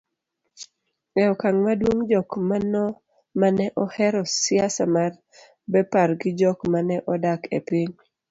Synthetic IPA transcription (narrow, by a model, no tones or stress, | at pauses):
ɛɔkaŋmadwoŋd͡ʒɔkmanɔ | manɛʔɔhɛɾɔsɪasamar | bɛpaɾɡɪd͡ʒɔkmanɛʔɔdakḛpiŋ